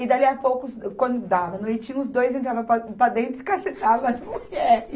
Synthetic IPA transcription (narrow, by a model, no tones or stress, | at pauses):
ɪd̪aliapowkʊkwɐ̃nd̪ʊd̪avɐnʊet͡ʃĩʊzd̪ojzẽnt̪ɾavɐ̃papɾɐd̪ẽnt̪ɾfʊkasẽt̪amɐzmuɛ